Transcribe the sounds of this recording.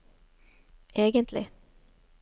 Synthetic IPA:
eːɡənt̪lɪ̰

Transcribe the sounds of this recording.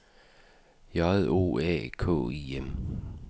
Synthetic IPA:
jɑðˠo̝̰ːæ̰kʰɔ̰̽ːḭem

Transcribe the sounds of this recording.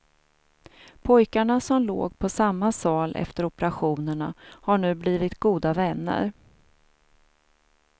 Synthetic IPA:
pʰɔjkaɳasɔmlo̰ːɡpʰɔsamːasɑːlʔɛ̰ft̪əɾɔpɛɾaɧuːnəɳa̰haɳʉ̟ːbliːvɪt̪ɡuːd̪avɛnːə̰ɾ

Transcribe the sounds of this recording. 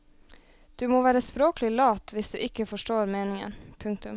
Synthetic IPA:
d̪̥ʉːmoːʋæːɾəspɾoːkəlɪlɑːt̪ʰʋɪsd̪ʉ̰ːʔɪkːəfɔʂʈoːɾmeːnɪŋə̰npʰʉŋkt̪ʉm

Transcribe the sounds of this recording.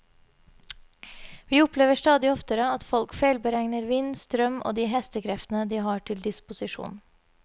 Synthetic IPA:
ʋiːʊpleːʋəʂt̪ɑːd̪ɪɔft̪əɾəɑt̪fɔlkfeːlbəɾæŋnəɾʋiːnst̪ɾœmʔo̰ːd̪iːɦɛst̪əkʰɾɛft̪ənəd̪iːɦɑʈʰɪld̪ɪspʊsɪʂṵːn

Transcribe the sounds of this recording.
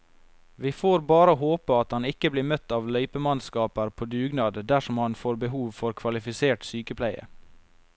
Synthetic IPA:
ʋiːfoːɾbɑːɾohoːpəɑt̪hɑnɪkəbliːmœt̪ɑːʋlœʏpəmɑnskɑːpəɾpʰoːd̪ʉːɡnɑːd̪d̪æʃɔmhɑnfoːɾbəhuːʋfɔɾkʰʋɑlɪfɪseːʈsyːkəpʰlæɪə̰

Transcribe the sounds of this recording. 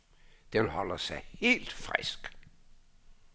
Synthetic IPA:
d̥eʋelɦɒləsɑ̈ɪhe̝̰ːld̥fʁɛsɡ̥

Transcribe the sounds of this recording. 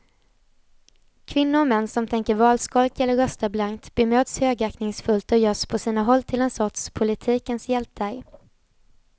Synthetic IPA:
kʰvɪnːʊɾɔmɛnːsɔmt̪ʰɛŋkəɾvɑːlskɔlkɛlːəɾœst̪əblaŋkt̪b̥ɪmøːd̪shøːɡæknɪŋsfɵlt̪ɔjœːʂpʰɔsiːnaɦɔlːt̪ʰɪlɛnsɔt̪ʂpʰʊlɪt̪ʰiːkənsjɛlt̪æɾj

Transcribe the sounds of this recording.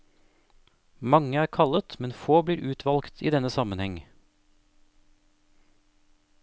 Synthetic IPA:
mɑŋəæːɾkʰɑlət̪mɛnfoːbliːɾʔʉːt̪ʰʋɑlkt̪ʰḭːd̪ɛnəsɑmənhɛŋ

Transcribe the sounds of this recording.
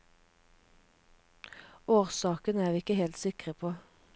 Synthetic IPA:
oːʁsɑːkənəæːʁʋiːɪkəheːlt̪sɪkʁəpʰoː

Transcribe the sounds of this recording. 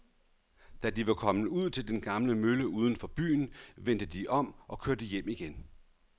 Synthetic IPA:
d̥æd̥iʋɑ̈kʰɒ̽m̩uð̞̰ˠt͡sʰe̝ld̥enɡ̥ɑ̈mləmøləuːð̞ˠn̩fɒ̽b̥y̰ːn̩ʋen̰d̥əd̥iʔɒ̽m̰ʔɒ̽kʰøɐd̥əjem̰iɡ̥en

